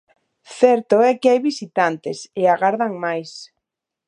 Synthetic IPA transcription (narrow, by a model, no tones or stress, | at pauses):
θɛɾt̪oɛkɪajβisit̪ant̪ɪsɪaɣaɾðaŋmajs